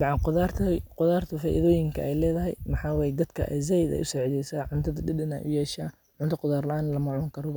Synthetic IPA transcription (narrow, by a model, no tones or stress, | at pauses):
bɑʕɑqʊðaːrt̪ʰɐqʊðaːrt̪ʰɐfaːʔḭðɔːjɪŋkʰɐ̰ʔɛjlɛːðɐɦɛjmɑħɑːwɛːjɛd̪ɐd̪kʰɐ̰ʔɛ̰jz̬ɛjd̪ɛ̰jʔʊsɛːʕðɛjsaːʕʊnt̪ʰɐðɐdɪdɐnɛ̰ːjʔʊjɛːʃaː | ʕʊnt̪ʰɐqʊðaːrlɐʔaːnlɐmɐʕʊŋkʰɐɾɔβɐ